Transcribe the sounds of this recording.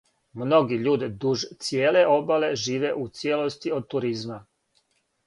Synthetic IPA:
mno̞ɡiʎuːd̪id̪uʒt̪sjeːle̞ʔo̞bale̞ʒiːʋe̞ʔut̪sjelost̪iod̪̚t̪uɾizma

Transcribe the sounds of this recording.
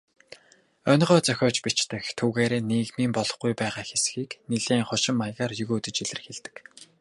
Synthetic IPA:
œnʲʁœːt͡sœxʲɔːt͡ɕpit͡ɕt̪ɘ̆xt̪ʰuɣeːɾeːniːɣmiːmpɔɮɞ̆χɡujpæːʁaːxesxiːkniɮeːŋχʊʃɪ̆mːajʁaːrjɵɣuːt̪ɘ̆t͡ɕiɮɘ̆rxeɮt̪ɘ̆k

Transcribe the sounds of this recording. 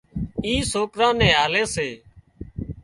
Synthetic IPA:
ĩːsoːkɾãːnɛ̃ːɦaːleːseː

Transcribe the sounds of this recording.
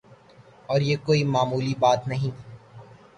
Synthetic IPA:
ɔːɾjeːkoːimaːmuːlibaːt̪nɐɦĩ

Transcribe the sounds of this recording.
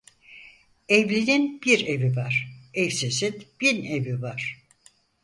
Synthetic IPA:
evlʲininb̥iɾevivaɾ̥ɛfsesit̪b̥inevivaɾ̥

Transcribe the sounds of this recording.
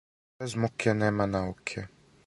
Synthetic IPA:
ɛzmukjɛnɛːmanaukʰɛ

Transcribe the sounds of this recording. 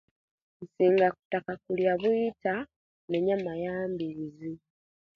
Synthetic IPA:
n̩siːŋɡaku̥takakuljaβwiːta | neɲamajaːmbiɾizi

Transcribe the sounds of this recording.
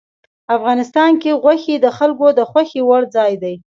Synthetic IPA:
afɣɑnɪst̪ɑnkeɣwaxed̪əxalkod̪əxwaxewaɽd͡zɑjd̪aj

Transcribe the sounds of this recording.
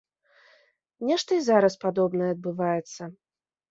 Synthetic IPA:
nʲɛʂt̪ɐizaɾɐspad̪ɔbnɐjɛɐd̪̚bɨvajɛt̪sːɐ

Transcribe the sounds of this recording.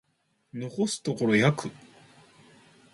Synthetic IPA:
no̞ko̞sɨ̥t̪oko̞ɾo̞jakɯ̟

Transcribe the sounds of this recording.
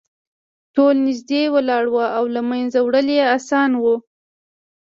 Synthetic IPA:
ʈolnɪzd̪ewəlɑɽwaʔawlamanzawɽəlejeasɑnwu

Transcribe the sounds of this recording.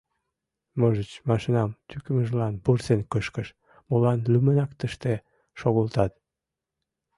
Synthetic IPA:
moʒət͡ɕmɑʃinɑmt̪ykəməʒlɑnpursenkəʃkəʃ | molɑnlymənɑkt̪əʃt̪e | ʃoɣəlt̪ɑt̪̚

